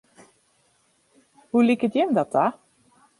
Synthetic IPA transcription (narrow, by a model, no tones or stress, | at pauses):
hulikətjɛmdɔta